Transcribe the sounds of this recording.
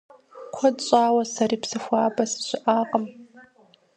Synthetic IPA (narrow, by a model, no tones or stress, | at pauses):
kʷʰɔdɕʼaːwɐsɐriːpsɨxʷaːbɐsɕʷɪʔaːqʼəm